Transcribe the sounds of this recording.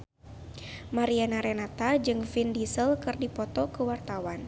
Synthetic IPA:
maɾianaɾɛnat̪ad͡ʒɨŋfindisəlkɨrdipɔt̪ɔkəwart̪awan

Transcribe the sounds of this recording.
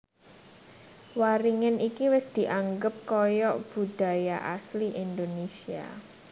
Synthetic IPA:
waɾiŋɪnʔikiwɪsd̪̥i̤ʔaŋɡəp̚kɔjɔʔb̥ud̥a̤jaʔa̰sliʔind̪onesia̰

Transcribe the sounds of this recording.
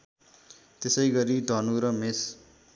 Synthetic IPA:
t̪esʌjɡʌɾid̪ʱʌnuɾʌmes

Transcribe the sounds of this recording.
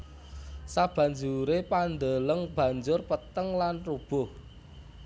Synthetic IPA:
sab̥ä̤ɲd͡ʒuɾepand̪ələŋb̥ä̤ɲd͡ʒʊrpət̪əŋlanrub̥ʊ̤h

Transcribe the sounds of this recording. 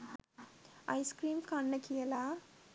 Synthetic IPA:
ɐjskɾiːmkaɳːɐkijɐla

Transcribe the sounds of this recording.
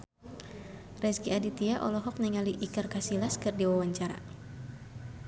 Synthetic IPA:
rɛsɡiadit̪iaʔɔ̰lɔɦɔk̚nɛŋaliʔikɨrkasilaskɨrdiwawaɲt͡ʃaɾa̰

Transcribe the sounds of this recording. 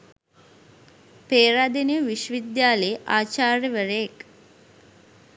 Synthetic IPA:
peːɾad̪eniʋiʃʋid̪jaːleʔaːt͡ʃaːrjəʋəɾəjek

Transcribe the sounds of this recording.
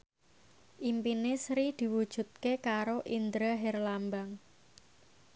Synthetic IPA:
ʔimpinesɾid̪̥i̤wud̥ʒ̥ṳt̪̚kekaɾoʔind̪ɾəɦɛrlambaŋ

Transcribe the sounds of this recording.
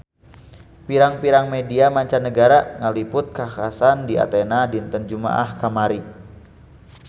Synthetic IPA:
piɾaŋpiɾaŋmediamaɲt͡ʃanːəɡaɾaŋalipʊt̪̚kakasandia̰t̪enadint̪ənd͡ʒuma̰ʔahkamaɾi

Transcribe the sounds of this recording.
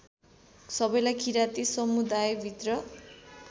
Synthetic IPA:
sʌbʌjlajkʰiɾat̪isʌmud̪ajbʱit̪rʌ

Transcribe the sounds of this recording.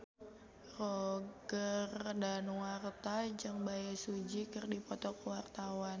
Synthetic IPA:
roɡərdanwart̪ad͡ʒɨŋbajasud͡ʒikɨrdipɔt̪ɔkəwart̪awan

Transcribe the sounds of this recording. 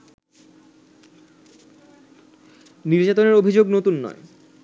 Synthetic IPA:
niɾd͡ʑat̪oneɾobʱid͡ʑoɡnot̪unːɔ̰e

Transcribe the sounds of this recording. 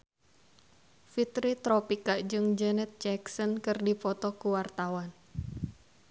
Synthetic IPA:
fit̪ɾit̪ɾɔpikad͡ʒɨŋd͡ʒɛnɛt̪̚d͡ʒɛksɔnkɨrdipɔt̪ɔkuwart̪awan

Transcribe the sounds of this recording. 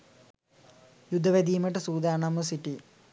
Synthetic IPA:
jud̪ʱːɐʋed̪ijmɐʈ̬ːɨsuːd̪aːɳɐmɐsiʈːi

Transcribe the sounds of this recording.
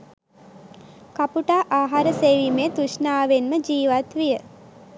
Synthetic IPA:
kapuʈaːʔaːɦaɾəseːʋimet̪uʃnaːʋenməd͡ʒiːʋat̪ʋijə

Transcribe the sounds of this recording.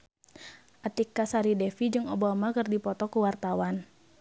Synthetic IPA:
ʔat̪ikːasaɾidɛfid͡ʒɨŋobamakɨrdipɔt̪ɔkuwart̪awan

